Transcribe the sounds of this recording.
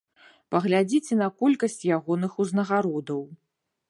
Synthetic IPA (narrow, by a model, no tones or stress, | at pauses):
pɐɣlʲad͡zʲit͡sʲɛnɐkɔlʲkɐsʲt͡sʲjaɣɔnɨxuznɐɣaɾɔd̪ɐw